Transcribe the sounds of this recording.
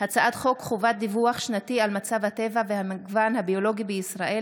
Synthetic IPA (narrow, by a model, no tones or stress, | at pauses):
hat͡saʔad̪χo̞kχovat̪̚d̪ivuaχʃnat̪ialmat͡savhat̪e̞vavehamiɡvanhabio̞lo̞ɡibeisʁaʔe